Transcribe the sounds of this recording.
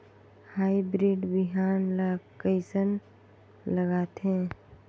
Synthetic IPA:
haːibɾiːɖbɪɦaːnlakəɪsən | ləɡaːt̪ɦɛ̃ː

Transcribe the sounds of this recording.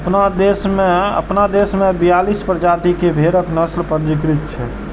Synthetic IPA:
əpnad̪esmeə̰pnad̪esmebijalispəɾd͡ʒat̪ikebʱeɾəknəslpəɾd͡ʒikɾit̪̚t͡ʃʰɛ̰

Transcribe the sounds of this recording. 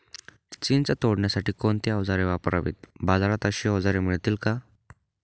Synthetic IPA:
t͡ɕint͡sat̪oɽɳjasaʈiːkont̪eəʋd͡zaɾeʋapəɾa̰ʋḭt̪̚bad͡zaɾat̪əɕiːəʋd͡zaɾemiɭt̪iːlka

